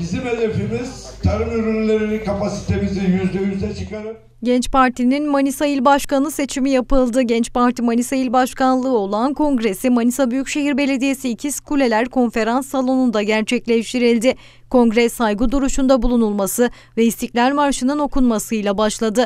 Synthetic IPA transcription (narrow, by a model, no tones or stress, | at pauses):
bizimelefimiz̥t̪ʰaɾɯmyɾynlʲeɾinikʰapasi̥t̪ʰemizijyzd̪ʲemimizɛt͡ʃʰɯkaɾɯm | ɟɛnt͡ʃpaɾt̪ʰininmanisajilʲbaʃkanlˠɯse̞t͡ʃʰimijapɯlˠd̪ɯɟɛnt͡ʃpaɾt̪imanisajilʲbaʃkanlˠɯːo̞lˠankʰo̞ŋɡɾe̞simanisabyjycʃe̞ɦiɾbe̞lʲe̞d̪ije̞siːcʰiskʰulʲe̞lʲæɾkʰo̞nfe̞ɾansːalˠo̞nund̪aɟæɾt͡ʃʰɛclʲeʃt̪ʰiɾilʲd̪ɪ | kʰõ̞ŋɡɾɛsajɡɯd̪uɾuʃund̪abulˠunulˠmasɯ | vɛist̪iclʲæɾmaɾʃɯnɯno̞kʰunmasɯjlˠabaʃlˠad̪ɯ